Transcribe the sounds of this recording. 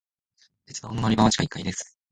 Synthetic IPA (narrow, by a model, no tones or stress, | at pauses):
d̪et͡sɨd̪aonomaɾibãat͡ɕi̥kaikːaid̪esɨ̥